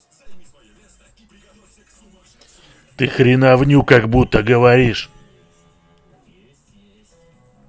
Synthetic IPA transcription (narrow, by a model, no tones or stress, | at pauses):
t̪ɨxɾʲinavnʲukaɡbut̪ːəɡəvɐɾʲiʂ